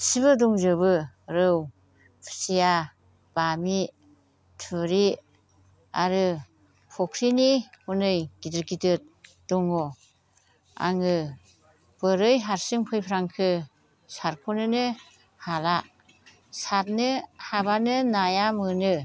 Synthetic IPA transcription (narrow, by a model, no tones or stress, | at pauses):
siβɯduŋzɯβɯɾɯw | pʰɯ̥sija | b̥ami | tʰuɾi | aɾɯ | pʰɔkʰɾinihunɯjɡidɯɾɡidɯt̚ | d̥uŋɔ | a̰ŋɯ | b̥ɯɾɯjɦaɾsɯŋpʰɯjpʰɾaŋkʰɯ | saɾkʰonɯnɯ | hala | sat̚nɯhabanɯnajamɯnɯ